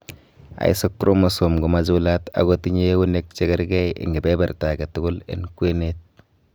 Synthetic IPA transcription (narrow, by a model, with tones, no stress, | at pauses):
a̰˨ḭ˦so˦kːɾʔo˦mu˨so˨mɡʊ˨ma˦zu˦la˦ta̰˨ɡo˦ti˦ɲe˦wu˦ne˦k̚t͡ʃe˦ɡɪ˦ɾɡe˦jɪ̰˨ŋɡɪ˨be˦ba˨ɾta˨ɡe˨tʊ˦ɡʊ˦lɪ̰˨˦nkwe˦ne˦t̚